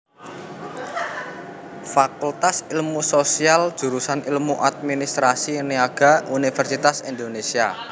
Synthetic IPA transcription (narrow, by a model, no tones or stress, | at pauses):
fakult̪asilmusosialdd͡ʒʒ̥ṳɾusanilmuʔat̪̚minist̪ɾasiniaɡ̥a̤unifɛrsit̪asind̪onesia